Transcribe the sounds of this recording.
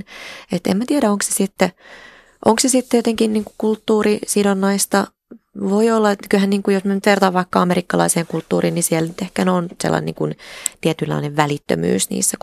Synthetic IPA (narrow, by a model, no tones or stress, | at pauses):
et̪ḛmmæt̪iɛɾæoŋkse̥sit̪ːe | ʔo̰ŋksesit̪ːejot̪eŋkinniːŋkukult̪ːuːrisidonːɑist̪ɑ | ʋoiolːɑet̪kylhænniːŋkujosmynyt̪ʋert̪ɑʋʋɑikːɑɑmeɾikːɑlɑ̰iseːŋkult̪ːuːriːnnisiɛlnyt̪ehkænonsḛlːɑ̰nḭŋkunt̪iet̪ylːɑ̰ineʋʋælit̪ːø̰my̰ːsnḭːsːæ